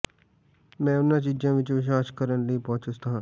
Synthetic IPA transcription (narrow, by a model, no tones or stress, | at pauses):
mɛ̃ːʊnːãːt͡ʃiːd͡ʒãːʋɪt͡ʃʋɪʃ̬aːʃkəɾənləiːpɔ̃ːt͡ʃʊst̪aɦãː